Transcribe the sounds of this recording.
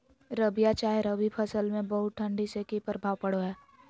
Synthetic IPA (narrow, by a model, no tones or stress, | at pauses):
ɾəbijat͡ʃaːɦeɾəbipʰəsəlmẽbəɦʊt̪̚ʈʰə̃ɳɖisekipəɾbʱaːʋpəɽoɦɛː